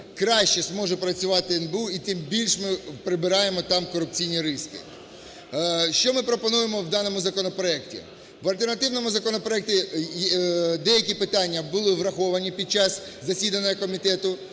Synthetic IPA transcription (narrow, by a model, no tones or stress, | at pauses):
kɾɑʃt͡ʃɛzmɔʒɛpɾɐt͡sʲʊʋɑt̪ɪenbuit̪ɪmbʲilʲʃmɪpɾɪbɪɾɑjemɔt̪ɑmkɔɾʊpt͡sʲijnʲiɾɪskɪ̰ | ʃt͡ʃɔmɪpɾɔpɔnujemɔwd̪ɑnɔmʊzɐkɔnɔpɾɔɛktʲḭ | ʋɐlʲt̪ernɐt̪ɪwnɔmʊzɐkɔnɔpɾɔɛk̚tʲi | d̪ɛjɐkʲipɪt̪ɑnʲːɐbʊlˠɪʋɾɐxɔʋɐnʲipʲid̪̚t͡ʃɑszɐsʲid̪ɐnʲːɐɦɐkɔmʲit̪ɛt̪ʊ